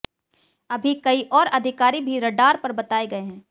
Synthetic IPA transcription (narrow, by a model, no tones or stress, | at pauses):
ɐbʱikɐiʔɔːɾɐd̪ʱɪkaːɾibʱiɾɐɖaːɾpɐɾbɐt̪aːeɡɐeɦɛ̃ː